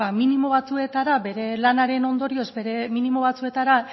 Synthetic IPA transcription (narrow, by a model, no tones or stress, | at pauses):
aminimo̞β̞at͡sue̞t̪aɾabe̞ɾe̞lanaɾe̞no̞nd̪o̞ɾio̞zbe̞ɾe̞minimo̞β̞at͡sue̞t̪aɾa